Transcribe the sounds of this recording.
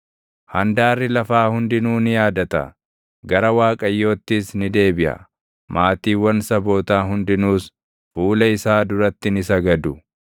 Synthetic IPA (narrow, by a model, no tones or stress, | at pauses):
hɐnd̪aːrːɪlɐfaːhʊnd̪ɪnuːnɪjaːd̪ɐt̪ɐ̰ | ɡɐɾɐwaːkʼɐjːo̞ːt̪ːɪsnɪd̪e̞ːbɪʔɐ̰ | maːt̪iːwːɐnsɐbo̞ːt̪aːɦʊnd̪ɪnuːs | fuːlɐɪsaːd̪ʊɾɐt̪ːɪnɪsɐɡɐd̪ʊ